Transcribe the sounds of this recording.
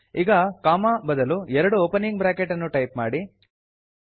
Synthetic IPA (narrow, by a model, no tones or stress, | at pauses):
iɡɐkaːmaːbɐd̪ɐluɛɾɐɽuoːpɐnːiŋɡ̚bɾaːkeʈɐnːuʈɐjp̚maːɽi